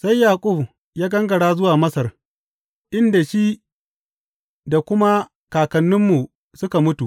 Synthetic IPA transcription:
sa˦jːaː˨kʼʊ˦˨b | jaː˦ɡɐ˦ŋɡɐ˨ɽaː˦zʊ˦waː˨mɐ˦sɐ˨r | ʔɪ˦nda˨ʃi˦ | da˨kʷʊ˦ma˦ | kaː˨kɐ˨nːʊ˦mːu˨ | sʊ˦ka˨mʊ˦tu˨ʔ

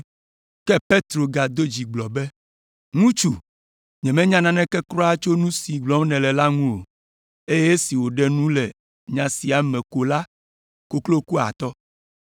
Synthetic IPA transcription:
kɛ˦pe˦t̪ɾo˨ɡa˨d̪o˦d͡ʑi˨ɡ͡blɔ˨bɛ˦ | ŋũ˦t͡ʃu˨ | ɲɛ̃˨mɛ̃˦ɲã˦nã˦nɛ̃˦kɛ˦kɾɔ˦a˦t͡ʃo˦nũ˦si˨ɡ͡blɔ˦m˦nɛ̃˨lɛ˨la˦ŋũ˦o˨ | e˦je˦si˨wo˨ɖɛ˦nũ˦lɛ˨ | ɲã˨si˨a˨mɛ̃˨ko˨la˦ | ko˨klo˦ku˦a̰˨t̪ɔ˦

